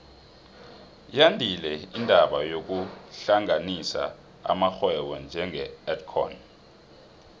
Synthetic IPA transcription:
jandʱilɛindʱaɓajok̬uɬaŋanisa̰ | a̰maxwɛwɛnd͡ʒʱɛŋʱɛɛtkʰɔ̰n

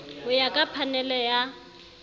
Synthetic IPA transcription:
ʊjakʼapʰanɛlɛja

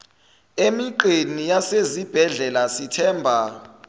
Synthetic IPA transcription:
emiǃenijasezib̥ʱɛɮɛlasitʰɛːmbʱa

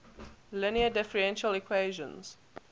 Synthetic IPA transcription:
lɪniədɛfəɹɛ̃nʃəlɪkʰweːʒə̰̃nz̥

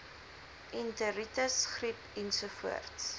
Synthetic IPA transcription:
ʔintəɾitəsχripɛnsufuə̰rts

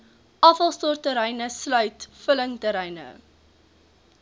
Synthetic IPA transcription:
ʔɐfɐlˠstɔrtəɾɛjnəslœɥtfələŋtəɾɛjnə̰

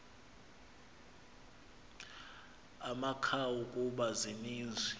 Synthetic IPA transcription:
amakʰawukʼuɓaziniːnd͡zʱwi

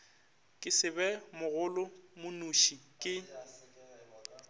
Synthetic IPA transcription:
kʼɪsɪbɛmʊɣʊlʊmʊnuʃikʼɪ

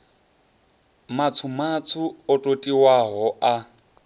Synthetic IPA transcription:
mat͡sʰumat͡sʰuɔtʼotʼiwaɦɔʔa

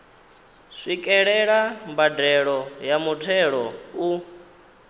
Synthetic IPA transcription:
ʂikʼɛɺɛɺambadɛɺɔjamutʰɛɺɔu

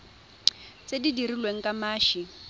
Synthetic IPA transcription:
t͡sedidirilweŋ̩kʼamaːʃi

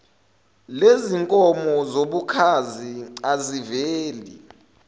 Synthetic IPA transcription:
leziŋkʼɔmɔzoɓukʰaziaziveːli

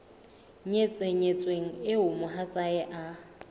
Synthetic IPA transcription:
ɲet͡sʼeɲet͡sʼweŋ̩ɪʊmʊɦat͡sʼaɛʔa

